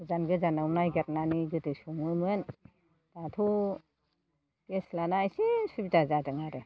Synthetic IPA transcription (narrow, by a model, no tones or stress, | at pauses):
uzanɡɯzanamnajɡat̚naniɡɯtɯsuŋɯmɯn | datʰu | eslanajsisubitazadɯŋaɾɯ